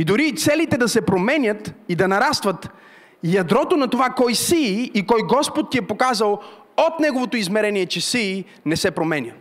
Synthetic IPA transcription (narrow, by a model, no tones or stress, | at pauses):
id̪ʊɾit̪sɛlit̪ɛd̪ɐsɛpɾomɛnʲət̪id̪ɐnɐɾast̪vɐt̪ | jɐd̪ɾɔt̪onɐt̪ovakɔjsiːkɔjɡɔspot̪ːiɛpokazɐlˠ | ot̪nɛɡovot̪oizmɛɾɛniɛt͡ʃɛsiː | nɛsɛpɾomɛnʲə